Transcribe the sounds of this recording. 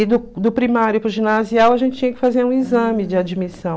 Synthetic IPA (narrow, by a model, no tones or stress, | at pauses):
ɪd̪ʊd̪ʊpɾimaɾjʊpɾʊʒinaziawɐʒẽnt͡ʃɪ̥t͡ʃĩɲɐkɪ̥fazeɾũizɐ̃mɪd͡ʒɪad͡ʒimisɐ̃w̃